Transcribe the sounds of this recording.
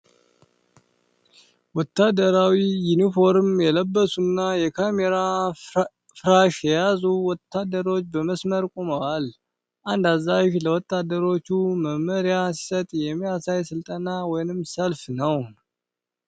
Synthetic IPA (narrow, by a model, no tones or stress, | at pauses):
wɔt̪ːad̪əɾawijunifo̞ɾɨmjɛləbːəsunːajɛkʰameɾa | fɾaʃjɛjazuwɔt̪ʰːad̪əɾo̞t͡ʃːbəməsməɾkʼoməwal | ʔand̪azːaʃləwɔt̪ʰːad̪əɾo̞t͡ʃːuməməɾijasi̥sət̪ʼjɛmːijasajsɨlt̪ʼənawɔjnɨmsəlfnəw